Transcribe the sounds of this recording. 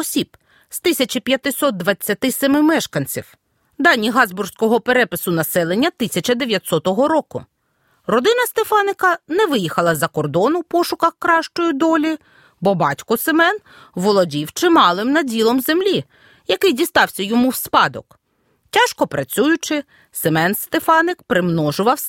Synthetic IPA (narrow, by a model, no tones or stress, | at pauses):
ɔsʲib̥ | st̪ɪsʲɐt͡ʃipʲjɐt̪ɪsɔt̪̚d̪ʋɐt͡sʲːɐt̪ɪsemɪmɛʃkɐnʲt͡sʲiw | d̪ɑnʲːiɦɑzbʊrsʲkɔɦɔpeɾɛpɪsʊnɐsɛlˠenʲːɐt̪ɪsʲɐt͡ʃɐd̪eʋʲjɐt̪ʲsɔt̪ɔɦɔɾɔkʊ̰ | rɔd̪ɪnɐst̪efɑnɪkɐnɛʋɪjixɐlˠɐzɐkɔrd̪ɔnʊwpɔʃʊkɐxkɾɑʃt͡ʃɔjʊd̪ɔlʲi | bɔbɑtʲkɔsemɛn | ʋɔlˠɔdʲiwt͡ʃɪmɑlˠɪmnɐdʲilˠɔmzemlʲi | jɐkɪjdʲist̪ɑwsʲɐjɔmuwspɑd̪ɔ̰k | tʲɑʃkɔpɾɐt͡sʲujʊt͡ʃɪ | semɛnst̪efɑnɪkpɾɪmnɔʒʊʋɐw